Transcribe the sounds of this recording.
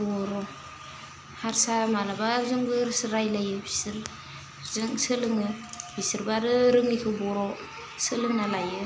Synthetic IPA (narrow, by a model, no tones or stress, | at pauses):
bɔɾɔ | haɾsamalabazɯŋbɯɾsɯɾajlajɯbisɯɾ | zɯŋsɯlɯŋɯb̥ʰisɯɾbaɾɯɾɯŋikʰɯbɔɾɔ | sɯlɯŋnalajɯ